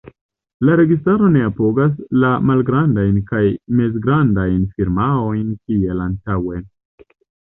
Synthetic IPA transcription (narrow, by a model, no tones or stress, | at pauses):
laɾe̞ɡistaɾo̞ne̞apo̞ɡas̬lamalɡɾandajnkajme̞z̬ɡɾandajnfiɾmao̞jnkie̞lantawe̞